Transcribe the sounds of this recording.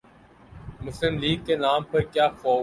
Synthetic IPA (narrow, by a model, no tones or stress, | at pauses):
mʊslɪmliːɡkːenaːmpɐɾkjaːfoː